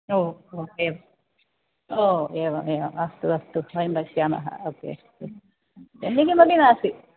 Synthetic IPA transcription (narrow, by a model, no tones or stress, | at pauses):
oːoːeːʋɐ | oːeʋɐmeːʋɐmɐst̪uɐst̪uʋɐjmbɐkijaːma̰ɦɐ̰oːkːḛɐst̪u | enːikimɐd̪inaːsi